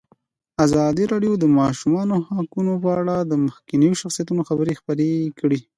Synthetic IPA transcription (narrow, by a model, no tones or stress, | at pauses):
azɑd̪iɾɑɖjod̪əmɑʃumɑnohɑkunopəaɽad̪əməxkinijoʃaxsijat̪unoxabəɾexpəɾekɽi